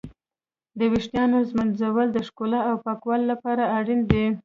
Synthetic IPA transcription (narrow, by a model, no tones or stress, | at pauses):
d̪əwɪʂʈ̪jɑnozmənzawəld̪əʂkolaawpɑkwalːapɑɾaaɽind̪e